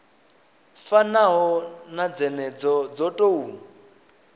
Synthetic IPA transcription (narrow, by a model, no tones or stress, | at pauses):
fanaɦɔnad͡zɛnɛd͡zɔd͡zɔtʼouːn